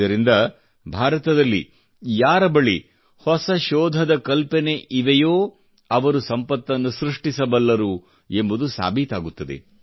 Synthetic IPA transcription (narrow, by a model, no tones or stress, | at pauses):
ɐɾind̪ɐ | bʱaːɾɐt̪ɐd̪ɐlːḭ | jaːɾɐbɐɭi | hɔsɐʃɔːd̪ʱɐd̪ɐkɐlpɛneʔiʋɛjoː | ɐʋɐɾusɐmpɐt̪ːɐnːusɾuʂʈisɐbɐlːɐɾu | e̞mbud̪usa̰ːbʱit̪aːɡut̪ːɐd̪e̞̰